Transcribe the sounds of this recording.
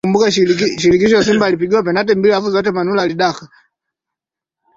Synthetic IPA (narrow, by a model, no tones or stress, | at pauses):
umbukaʃiɾikiʃɔjasimbaːlip̬iɡiwapɛnatɛmbilafuzɔt̬ɛmanulaːliɗaka